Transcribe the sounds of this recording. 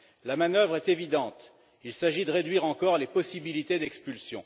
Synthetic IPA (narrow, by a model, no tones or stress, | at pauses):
lamanœvʁɛt̪evid̪ɑ̃t̪ | ilsaʒid̪əʁed̪ɥiʁɑ̃kɔʁlepɔsibilit̪ed̪ɛkspylsjɔ̃